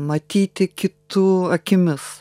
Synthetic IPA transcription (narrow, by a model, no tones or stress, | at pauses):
mɐt̪ʲiːt̪ʲɪkʲɪt̪uːɐkʲɪmʲɪs